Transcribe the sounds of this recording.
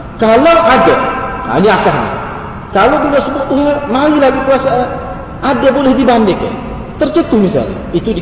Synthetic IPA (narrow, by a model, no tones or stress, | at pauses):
kaloʔadɛha̰niasaɦna̰ | kalobinaʔsəbuɔʔt̪uɦɛmailaɡipuasaʔ | adabolɛhdibandɪkɛ̰ | t̪ərt͡ʃət̪ʊhmisa̰l̰it̪udi